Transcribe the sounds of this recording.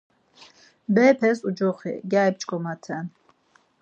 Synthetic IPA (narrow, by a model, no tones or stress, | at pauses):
bɛːpʰɛsud͡ʒɔχḭɡʲaːip̚t͡ʃʼkʼɔmat̪ʰɛn